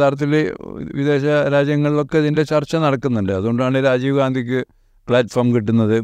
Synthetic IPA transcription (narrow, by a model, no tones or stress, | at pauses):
aːɾɐt̪̬ːilḛʋiðe̞ːɕɐɾaːd͡ʑjɐŋːɐɭilo̞kːe̞ɐðinde̞t͡ɕɐrt͡ɕːɐnɐɽɐkːunːuɳɖɨɐðuɣo̞ɳɖɨðaːɳɨɾaːd͡ʑiːʋɐɡaːnd̪ʱik̬ʲːɨ | pɭaːtːformkiʈːunːɐðɨ